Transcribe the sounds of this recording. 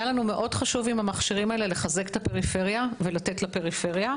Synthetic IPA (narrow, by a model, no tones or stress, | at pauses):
jalanume̞ʔo̞dχaʃuvimhamaχʃiʁimaele̞le̞χaze̞kt̪ape̞ʁife̞ʁjavelate̞tlape̞ʁife̞ʁja